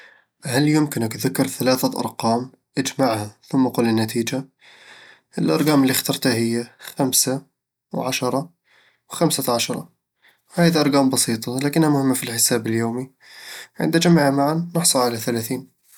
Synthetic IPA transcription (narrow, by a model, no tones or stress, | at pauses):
haljɪmkɪnakðakːɪɾˤθalaːθaʔɑ̰ɾˤqɑːm | ʔad͡ʒmaʕhaθʊmːaqʊːlːɪnːat̪iːd͡ʒa | ʔɪlʔɑ̰ɾˤɡɑːmɪlːixt̪ɑɾˤt̪ahɪjːaxamsa | wʕaʃɑɾˤɑ | wxamsaʕaʃɑɾˤɑ̰ | whaːjd̪iʔɑɾˤɡɑːmbɑsˤiːt̪ˤɑlaːkɪnhamʊhɪmːafilħɪsaːbɪljoːmi | ʕɪ̰nd̪ad͡ʒamʕamaʕanːɪħsˤɑlʕalaθalaːθiːn